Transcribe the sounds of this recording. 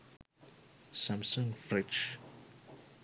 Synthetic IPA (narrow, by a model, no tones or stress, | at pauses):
sãmsɔ̃ŋfɾɛt͡ʃ